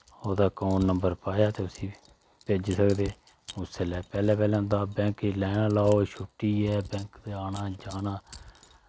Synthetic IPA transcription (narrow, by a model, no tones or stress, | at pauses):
oːd̪aːkoːnːəmbəɾpaːjaːt̪eːʊsĩː | peːd͡ʒsəkd̪eː | ʊseːlɛːpɛːlɛ̃ːpɛːlɛ̃ːɦʊ̃nd̪aːbɛ̃ːŋkilɛːnãːlaːoːʃʊʈːiːɛːbɛ̃ːŋkd̪eːaːnaːd͡ʒaːnãː